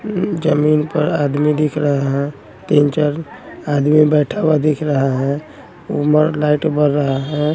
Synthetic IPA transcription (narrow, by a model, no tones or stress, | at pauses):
d͡ʒəminpəɾad̪mid̪ikʰɾəɦaɦɛ̃ | t̪int͡ʃəɾad̪mibɛʈʰabad̪ikʰɾəɦaɦɛ̃ | uməɾlaɪʈbəɾːəɦaɦɛ̃